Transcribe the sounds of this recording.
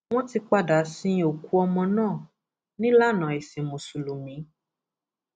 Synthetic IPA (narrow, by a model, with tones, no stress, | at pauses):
w̃ɔ̃˦ti˧k͡pa˦˨da˨˦sĩ˦o˨ku˧ɔ˧mɔ̃˧nãː˦˨ | nĩ˦la˦˨nã˨e˨se˨mõ˨su˨lu˨mĩ˨˦